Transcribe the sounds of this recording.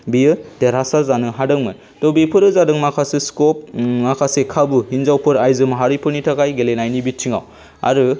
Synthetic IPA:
bijɯd̥eɾasazanɯɦadɯŋmɯn | tɔbepʰɯɾɯzadɯŋmakʰaseskɔp̚makʰasekʰabuhinzawpʰɯɾajzɯmɦaɾipʰɯɾnitʰakajɡelenajnibitʰiŋaw | a̰ɾɯ

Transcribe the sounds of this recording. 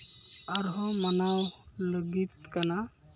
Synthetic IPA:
aɾɦɔmənawləɡit̪̚kana

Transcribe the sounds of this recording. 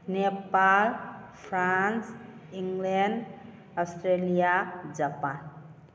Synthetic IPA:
nepalpʰɾansiŋɡleɳɖ | ɔsʈɾelijad͡ʒapan

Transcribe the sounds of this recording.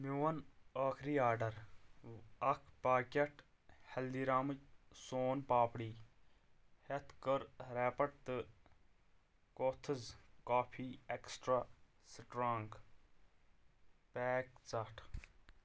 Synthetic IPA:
miwɐnaːkʰɾiːaːɾɖɐɾ | ɐkʰpaːkʲɐʈʰ | hɐld̪iːɾaːmɨksoːnpaːpɽiː | het̪ʰkəɾɾeːpɐʈ̚t̪ɨ | koːt̪ʰɨzkaːpʰiːeksʈɾaː | sʈɾaːŋk | pɛːkt͡saʈʰ

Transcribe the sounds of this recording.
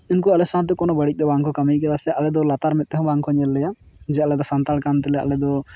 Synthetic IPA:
inkualɛsãt̪̬ɛkɔnɔbəɽic̚ˀd̪ɔbãŋkʰɔkəmijkɛlasɛalɛd̪ɔlat̪aɾmɛt̪̚ˀːɛɦɔ̃bãŋkʰɔɲɛlːɛjad͡ʒɛalɛd̪ɔsant̪alkant̪ɛlɛa̰lɛd̪ɔ

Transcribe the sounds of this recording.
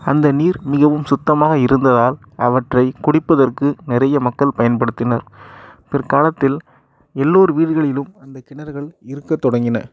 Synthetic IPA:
ɐnd̪ɐniːɾmɪɣɐʋɯmsʊt̪ːɐmaːɣɐɪɾɯnd̪ɐðaːl | ɐʋɐʈrɐɪkʊɽɪpːɐðɐrkɯnɪɾɐjɐmɐkːɐɭpɐjɐnpɐɽɯt̪ːɪnɐɾpɪrkaːlɐt̪ːɪl | ɛlːoːɾɯʋiːɽɯɣɐɭɪlɯmɐnd̪ɐkɪɳɐɾɣɐɭɪɾɯkːɐt̪ːɔɽɐŋɡɪnɐ̰

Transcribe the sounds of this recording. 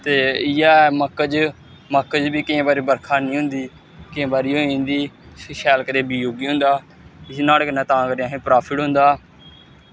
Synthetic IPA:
t̪eːɪjaːɛːməkːəd͡ʒ | məkːd͡ʒbiːkɪẽːbaːɾeːbəɾkʰaːnĩːɦʊ̃nd̪iː | kɪẽːbaːɾiːoːnd̪iːʃɛːlkəɾeːbiːjoːɡiːɦʊ̃nd̪aː | ɪsnaːlknɛ̃ːt̪ãːkəɾiãːɦẽːpɾaːpʰɪʈɦʊ̃nd̪aː

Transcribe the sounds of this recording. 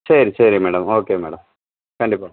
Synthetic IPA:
sɐɾisɐɾimeːɽɐmoːkːemḛːɽɐm | kɐɳɖipːoː

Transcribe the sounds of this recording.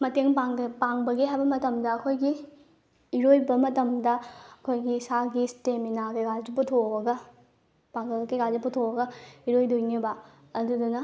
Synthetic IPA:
mɐteŋpaŋpaŋbɐɡiɦajbɐmɐtɐmdɐːkʰojɡiː | ɾojbɐmɐtɐmdɐɐkʰojɡisaɡisteminaɡeɡad͡ʒuputʰoɐɡɐ | paŋɡɐlkeɡad͡ʒuputʰoɐɡɐiɾojdojnibɐ | ɐdudunɐ

